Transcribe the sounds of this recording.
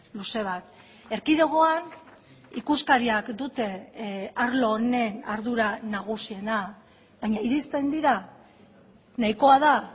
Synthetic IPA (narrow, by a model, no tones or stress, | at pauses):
luse̞β̞at̪̚ | e̞ɾkiðe̞ɣ̞o̞an | ikuskaɾiakd̪ut̪e̞aɾlo̞ne̞naɾðuɾanaɣ̞usie̞na | βaɲaiɾist̪e̞nd̪iɾa | najko̞aða